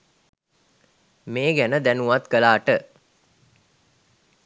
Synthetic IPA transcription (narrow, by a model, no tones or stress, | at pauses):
meːɡænəd̪ænuʋat̪kəlaːʈə